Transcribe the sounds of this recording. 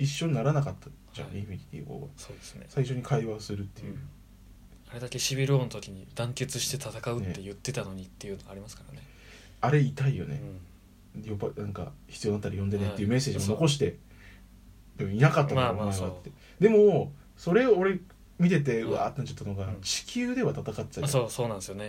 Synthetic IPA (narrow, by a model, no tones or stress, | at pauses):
iɕːo̞ɲ̟inaɾanakat̪ːḁ | d͡ʑã̰imikʲi̥t̪ḭɡo̰ɡa̰soːd̪esɨ̥nḛsaiɕo̞ɲ̟ikʰaiβaosɨɾɯ̟t̪ːe̞jɯ̟̰ | aɾe̞d̪ake̞ɕibʲiɾɯonot̪o̞kʲiɲ̟id̪ãŋkʲe̞t͡sɨɕi̥t̪e̞t̪at̪akaɯneːejɯ̟t̪ːe̞t̪ano̞ɲ̟it̪ːe̞jɯ̟noɡaɾimasɨ̥kaɾane | aɾe̞it̪aijo̞̰ne̞̰ | jobanãŋka̰çi̥t͡sɨijoat̪ːaɾijõ̞nd̪eet̪ːejɯ̟me̞seːʑimo̞no̞ko̞ɕ̬i̥t̪e̞ | d̪ebɯ̟̃inakat̪ːamamaβat̪ːe | d̪e̞mo | so̞ɾe̞oːɾe̞ | mʲit̪e̞t̪̬e̞ɯβa̰ːt̪nãɲt͡ɕḁt̪ːanoɡat͡ɕi̥kʲʰɨːd̪e̞βat̪at̪akat̪ːe̥t̪asoːso̞ːnãsɨjone